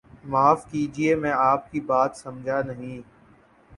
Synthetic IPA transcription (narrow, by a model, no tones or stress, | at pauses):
maːfkiːd͡ʒiemɛ̃ːaːp̚kibaːt̪sɐ̃md͡ʒʱanəɦĩː